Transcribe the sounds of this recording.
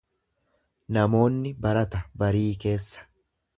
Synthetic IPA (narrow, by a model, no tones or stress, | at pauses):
nɐmo̞ːnːɪbɐɾɐt̪ɐbɐɾiːke̞ːsːɐ̥